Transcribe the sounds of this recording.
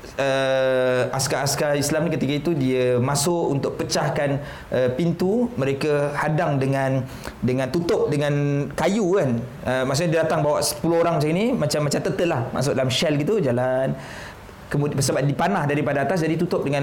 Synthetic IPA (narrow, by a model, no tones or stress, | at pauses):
ə | askaaskaislamnikət̪ikait̪udiəmasʊʔunt̪ʊʔ̚pət͡ʃahkan | ʔəpint̪umə̃ɾekahadaŋdəŋãn | dəŋãnt̪ut̪ʊp̚dəŋãnkajukan | əmaʔs̬uʔɲadiadat̪aŋbawaʔsə̥pulʊoɾaŋmat͡ʃaminimat͡ʃamːat͡ʃamt̪ət̪əʔ̪lahma̰s̬ʊʔ̚dalamʃɛlɡit̪ud͡ʒalan | kəmudpəs̬abadipanahdaɾipadaat̪as̬d͡ʒadit̪ut̪ʊp̚dəŋãn